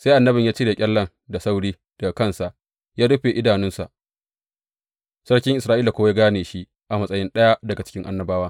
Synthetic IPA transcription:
se˦ʔa˨nːɐ˦bɪ˨ɲjaː˦t͡ʃi˦ɽeː˨kʲʼɛ˦lːɐ˦ŋ | da˨sa˦wɽiː˦ | d̥ɐ˨ɡa˨kɐ˦nsa˨ʔ | jaː˦du˦ɸeː˨ʔɪ˦daː˨nɪ˦nsa̰˨ʔ | sɐ˦ɽkʲɪ˦ŋʔɪ˨sɾaː˦ʔiː˦la˨kʷoː˦wje˦ɡaː˦neː˨ʃi˦ʔ | ʔa˨mɐ˦sʼɐ˦jɪ˦nɗɐ˦ja˦dɐ˨ɡa˨t͡ʃɪ̥˦kʲɪ˦ŋʔa̰˦nːɐ˦baː˦waː˦

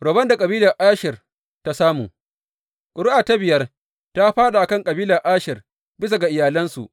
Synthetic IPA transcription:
ɾo˨bɐ˦nda˨kʼɐ˨biː˦lɐ˨rʔaː˦ʃɪ˨r | ta˦saː˦mṵː˨ | kʼʊ˨ɽʊ˦ʔaː˨ta˦bɪ˨jɐ˦r | ta˦ɸaː˦ɗa˨ʔa˨kɐ˦ŋkʼɐ˨biː˦lɐ˨ʔaː˦ʃɪ˨r | bɪ˦s̬a˨ɡa˨ʔɪ˨jaː˨lɐ˦nsṵ˨ʔ

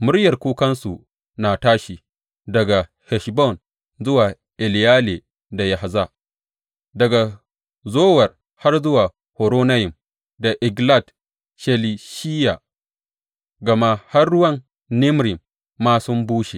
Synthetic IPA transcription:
mʊ˦ɽjɐ˨rkʷuː˦kɐ˦nsu˨ | na˨taː˦ʃiː˨ | dɐ˨ɡa˨ | hɛ˨ʃbɔ˦˨n | zʊ˦waː˨ | ʔɪ˨ljaː˦le˨ | da˨ja˨ha˨za˦ | dɐ˨ɡa˨ | zoː˦wɐ˨r | ha˦rzʊ˦waː˨ | ho˨ɾoː˦na˦jɪ˨m | da˨ʔɪ˨ɡla˦˨d | ʃe˨li˨ʃi˦ja˨ | ɡɐ˨ma˦ha˦rːʊ˦wɐ˦n | nɪ˦mɾɪ˨mː | aː˦sʊ˦mbuː˦ʃe˨

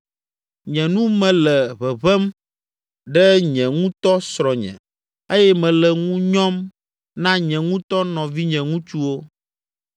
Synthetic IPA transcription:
ɲɛ̃˨nũ˦mɛ̃˨lɛ˨βɛ˨βɛ˦m | ɖɛ˦ɲɛ̃˨ŋũ˦t̪ɔ˦sɾɔ˨ɲɛ̰̃˨ | e˦jɛ˦mɛ̃˨lɛ˨ŋũ˦ɲɔ̃˦m | nã˦ɲɛ̃˨ŋũ˦t̪ɔ˦nɔ̃˨vi˦ɲɛ̃˨ŋũ˦t͡ʃu˦wo˦

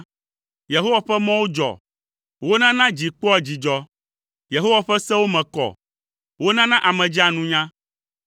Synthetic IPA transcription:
je˨ɦo˦wa˨ɸɛ˦mɔ̃˦wo˦d͡ʒɔ̰˨ | wo˦nã˦nã˦d͡ʑi˨k͡pɔ˦ɛ˦d͡ʑi˨d͡ʒɔ˦ | je˨ɦo˦wa˨ɸɛ˦sɛ˦wo˦mɛ̃˨kɔ̰˨ | wo˦nã˦nã˦ʔa˨mɛ̃˨d͡ʒi˦a˨nũ˦ɲã˦

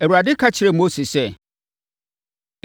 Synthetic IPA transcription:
æ˨wu˨ɾa˨dɪ˦kʰa˦t͡ɕʰɪ˨˦ɾɛ˨mo˦se˨sɛ˦˨

